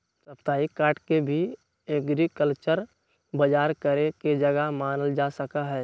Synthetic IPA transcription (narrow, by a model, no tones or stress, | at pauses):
səpt̪aːikaːɾʈkebʱi | eːɡɾikəlt͡ʃəɾ | bəd͡ʒaːɾkəɾeked͡ʒɐɡəmaːnəld͡ʒaːsəkaɦɛː